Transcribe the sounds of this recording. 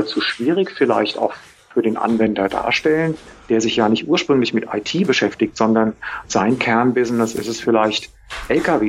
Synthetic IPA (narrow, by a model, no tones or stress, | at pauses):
t͡suʃv̥iːʁ̞ɪçfɪla̰ɪçta̰ʊx | fyːɐdeːnʔa̰nvɛndɐda̰ːɐʃtɛlən | d̥eːɐzɪçjaːnɪçtʔuːɐʃpʁ̥ʏŋlɪçmɪtʔa̰ɪtʰiːbəʃɛftɪktz̥ɔndɐnz̥aɪnkʰɛɐnbɪzn̩əsʔɪ̰sɛsfɪlaɪçt | ʔɛlkʰaveː